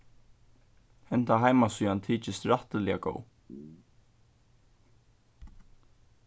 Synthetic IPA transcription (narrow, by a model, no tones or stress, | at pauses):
hɛn̥t̪aɦajmasyːant̪ʰiːt͡ʃɪst̪ɾaht̪əlɛa̰ɡo̰w